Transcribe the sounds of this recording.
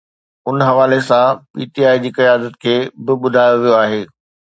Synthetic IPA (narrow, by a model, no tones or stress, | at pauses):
ʊnɦɐʋaːlesãpiːʈiaːid͡ʑiːkɐjaːd̪ət̪kʰeːbɪɓʊd̪ʱaːjoʋijoaːɦeː